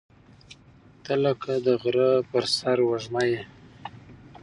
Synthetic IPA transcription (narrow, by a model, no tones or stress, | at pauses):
t̪əlakʰad̪əɣɾəpəɾsaɾwaʒmaje